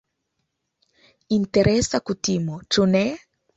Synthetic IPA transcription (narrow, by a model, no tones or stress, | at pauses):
int̪eɾʔɛsakutimot͡ʃunɛ